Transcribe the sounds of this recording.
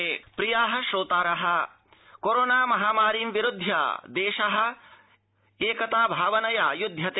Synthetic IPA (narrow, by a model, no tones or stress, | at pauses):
pɾijaːɦɐ̆ʃɾoːt̪aːɾɐɦɐ̆ | koɾoːnaːmɐɦaːmaːɾiːmʋiɾud̪ʱja̰d̪eːʃɐɦɐ̆ | eːkɐt̪aːbʱaːʋɐnɐja̰ːjud̪ʱjɐt̪eː